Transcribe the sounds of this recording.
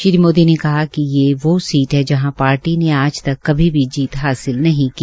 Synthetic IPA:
ʃɪɾimoːd̪inekɐɦakijeʋoːsiːʈɦɛd͡ʒɐɦãpaːɾʈineaːd͡ʒt̪ɐkːɐbʱibʱid͡ʒiːt̪ɦaːsɪlnɐɦĩkiː

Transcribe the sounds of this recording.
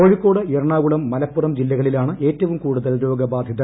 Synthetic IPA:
oːɻikːo̞ːɽɨeɾɐɳaːɣuɭɐmːɐlɐpːurɐmd͡ʑilːɐɣɐɭilaːɳɨʔe̞ːtːɐʋumkuːɽuðɐlɾo̞ːɡɐbaːd̪ʱjɐðɐ

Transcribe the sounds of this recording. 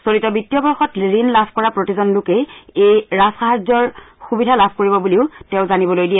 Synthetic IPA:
solitɔbitːijɔbɔɹxɔtɹinlabʰʱkɔɹapɹotizɔnlʊkejejɹasxaɦazɔɹ | xubidʱalabʱkoɹibɔbuliʊtɛʊ̃zanibɔlojdijɛ

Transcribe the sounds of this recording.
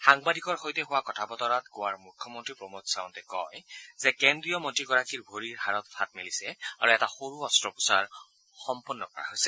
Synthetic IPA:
xaŋbadʱikɔɹxojtɛɦʊwakɔtʰabɔtɔɹatɡowaɹmukʰːjɔmɔntɹipɹɔmotsaʊntɛkɔjzɛkɛndɹiɔmɔntɹiɡɔɹakiɹbʱoɹiɹɦaɹɔtpʰat̚milisɛa̰ɹuɛtaxoɹuɔstɹɔpu̥saɹ | xɔmpunːɔkɔɹa̰ɦojsɛ

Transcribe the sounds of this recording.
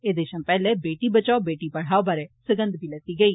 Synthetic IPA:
eːd̪eʃãːpɛːleːbeːʈiːbət͡ʃaːobeːʈiːpəɽ̤aːobaːɾɛːsɪɡə̃nd̪biːlɛt̪iːɡəiː

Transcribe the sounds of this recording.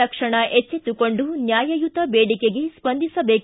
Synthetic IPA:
ɐkʂɐɳɐʔet͡ʃːet̪ukoɳɖunjaːjɐjut̪ɐbeːɽikeɡespɐnd̪ʱisɐbeːk

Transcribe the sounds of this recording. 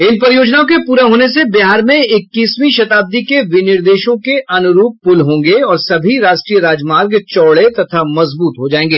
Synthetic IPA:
ɪnpɐɾɪjoːd͡ʒnaːõkepuːɾaɦoːnesebɪɦaːɾmẽɪkːiːsmiʃɐt̪aːb̚d̪ikeʋɪnɪɾd̪eːʃõkeʔɐnʊɾuːpːʊlɦõːŋɡeɔːɾsɐbʱiɾaːʃʈɾiːəɾaːd͡ʒmaːɾɡt͡ʃɔːɭet̪ɐt̪ʰamɐzbuːt̪ɦod͡ʒaːẽːŋɡeː

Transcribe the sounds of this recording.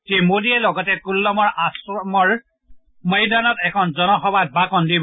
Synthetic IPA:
temodiɛlɔɡɔtɛkulːɔmɔɹasɔmɔɹ | məjdanɔtɛkʰɔnzɔnɔxɔbad̚bakɔndib

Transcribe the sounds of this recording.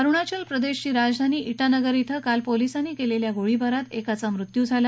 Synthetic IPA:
əɾuɳat͡ɕəlpɾəd̪eɕt͡ɕiːɾad͡zd̪ʱaniːʔiʈanəɡəɾit̪ʰəkalpolisaniːkeleljaɡoɭibəɾat̪ekat͡samɾut̪jud͡zʱala

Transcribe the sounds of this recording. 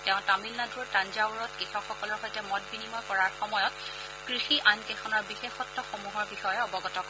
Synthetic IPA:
tɛʊ̃tamilnaduɹtanzauɹɔt̚kixɔxɔkɔlɔɹxojtɛmɔt̚binimɔjkɔɹaɹxɔmɔjɔt̚ | kɹixiʔankɛxʰɔnɔɹbixexɔtːɔxɔmuɦɔɹbixɔjɛɔbɔɡɔtɔk

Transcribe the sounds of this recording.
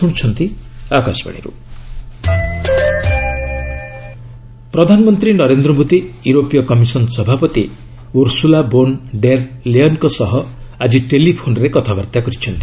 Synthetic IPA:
uɽ̃t͡ʃʰɔnt̪iaka̰sba̰ɽ̃ḭɾṵ | pɾɔd̪ʱanɔmɔnt̪ɾinɔɾend̪ɾɔmut̪ijuɾopijɔkɔmisɔnsɔbʱapɔt̪i | uɾsulabonɖeɾleɔnkɔsɔɦɔ | ad͡ʒiʈelipʰonɔɾekɔt̪ʰabɔɾt̪akɔɾit͡ʃʰɔnt̪i̥

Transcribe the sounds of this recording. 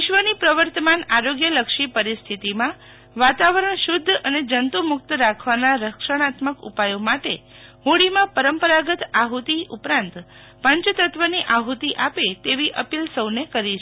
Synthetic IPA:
ʋɪʃʋənipɾəʋəɾt̪əmanaɾoɡjələkʃipəɾist̪ʰit̪imã | ʋat̪aʋəɾəɳʃʊd̪ʱːəned͡ʒənt̪umʊk̚t̪ɾakʰʋanaɾəkʃəɽ̃at̪məkṵpajomaʈe | ɦõɽimãpəɾəmpəɾaɡət̪aɦut̪iʔupɾãnt̪ | pəɲt͡ʃt̪ət̪ʋəniʔaɦut̪iʔapet̪eʋiʔəpilsəwnekəɾit͡ʃʰ

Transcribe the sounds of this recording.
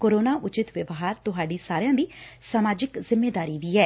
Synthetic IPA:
koːɾoːnaːʔʊt͡ʃɪt̪ʋɪʋɦaːɾt̪ʊɦaːɖiːsaːɾɪjãːd̪iːsamaːd͡ʒɪkzɪmːeːd̪aːɾiːʋiːɛː

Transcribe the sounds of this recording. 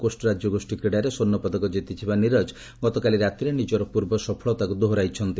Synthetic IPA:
kosʈɔɾad͡ʒjɔɡosʈikɾiɽajɾesonːɔpɔd̪ɔkɔd͡ʒit̪it͡ʃʰibaniɾɔd͡ʒ | ɡɔt̪ɔkaliɾat̪iɾenid͡ʒɔɾɔpuɾbɔsɔpʰɔɭɔt̪akud̪oɦoɾajt͡ʃʰɔnt̪i

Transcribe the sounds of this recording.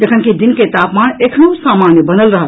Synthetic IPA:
d͡ʒəkʰənkid̪inket̪apmanekʰnosamanjəbənəlɾəɦəl

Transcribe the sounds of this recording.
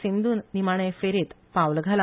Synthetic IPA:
sind̪ʱuːnnimaɽ̃efeɾiːt̪ | pawlɡʱala

